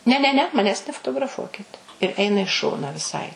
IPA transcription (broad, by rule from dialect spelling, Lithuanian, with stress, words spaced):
nʲɛ nʲɛ ˈnʲɛ mɐˈnʲæːs nʲɛfoːtoːɡrɐˈfuɔkʲɪt ɪr ˈɛɪnɐ ɪ ˈʃoːnɐ ʋʲɪˈsɐɪ